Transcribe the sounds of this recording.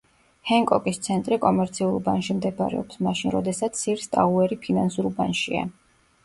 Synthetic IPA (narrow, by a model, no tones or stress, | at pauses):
hɛŋkʼɔkʼist̪sʰɛnt̪ʼɾikʼɔmɛɾt̪sʰiulˠbanʃimd̪ɛba̰ɾɛ̰ɔpsmaʃinɾɔd̪ɛsat̪sʰːiɾst̪ʼaʁuɛɾipʰinansuɾbanʃia̰